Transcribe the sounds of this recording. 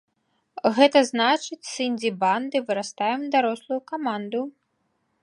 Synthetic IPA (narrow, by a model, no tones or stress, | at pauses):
ɣɛt̪ɐznat͡ʂɨt͡sʲsɨnʲdʲiband̪ɨvɨɾast̪ajɛmd̪aɾɔslˠujukamand̪u